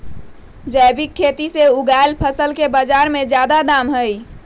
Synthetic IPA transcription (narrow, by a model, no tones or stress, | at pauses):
d͡ʒəɪbikʰːet̪iseuɡajlpʰəsəlkebəd͡ʒaɾmed͡ʒjad̪ad̪amɦəj